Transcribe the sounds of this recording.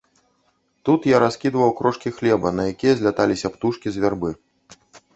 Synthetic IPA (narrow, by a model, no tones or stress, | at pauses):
t̪ut̪jaɾaskʲid̪vɐwkɾɔʂkʲixlʲɛbɐnɐjakʲijɛzʲlʲat̪alʲisʲɐpt̪uʂkʲizʲvʲarbɨ